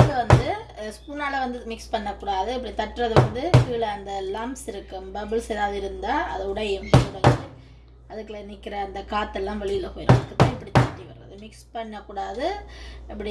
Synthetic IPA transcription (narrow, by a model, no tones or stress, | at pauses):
kːɐʋɐnd̪ɯspuːnaːlɐʋɐnd̪ɯmɪkspɐɳːɐkːuːɽaːðɯɪp̬ːɐɽit̪ɐʈːrɐðɯʋɐnd̪ɯfiːlɐɐnd̪ɐlɐmsɪɾɯkːɯmbɐbɪlseːðaːʋðɯɪɾɯnd̪aːɐðɐʊɽɐjɐmsɐɾɐe | ɐðɯkːɯlɐnɪkːɪɾɐːnd̪ɐkaːt̪ːɛlːãːʋɛɭɪjɪlɐpoːjɪɾɐ̰mɐðɯkːɐt̪ːãːɪpːɐɽit̪aːʈːiʋɐɾɾɐ̰ðɯmɪkspɐɳːɐkːuːɽaːðɯɪpːɐɽi